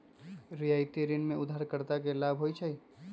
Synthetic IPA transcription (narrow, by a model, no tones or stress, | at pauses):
ɾijaːɪt̪iɾɪnmẽʊd̪ʱːaːɾkəɾt̪akelaːbʱɦoit͡ʃʰai